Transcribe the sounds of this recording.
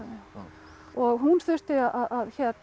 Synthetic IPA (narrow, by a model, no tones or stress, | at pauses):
ɔɣɦunθʏr̥t̪ɪaʔaðaðçɛt̪